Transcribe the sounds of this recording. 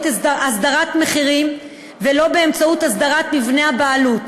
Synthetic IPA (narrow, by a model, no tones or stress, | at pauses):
tasd̪aʁatme̞χiʁim | velo̞be̞ːmt͡sautasd̪aʁatmivneabaːlut